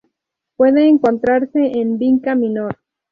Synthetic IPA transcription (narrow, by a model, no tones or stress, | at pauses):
pwe̞ðeːŋko̞nt̪ɾaɾse̞ʔːnbiŋkaminoɾ